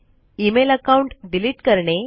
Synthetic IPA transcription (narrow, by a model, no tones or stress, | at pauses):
imeləkauɳʈɖiliʈkəɾɳe